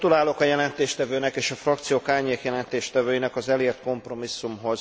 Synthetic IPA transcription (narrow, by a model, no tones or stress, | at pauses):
t̪ulaːlo̞kɒjɛlɛnt̪eːʃt̪ɛvøːnɛkeːʃɒfrɒkt̪sijoːkaːrɲeːkjɛlɛnt̪eːʃt̪ɛvøːjinɛkɒzɛleːrt̪̚ko̞mpro̞misːumɦo̞z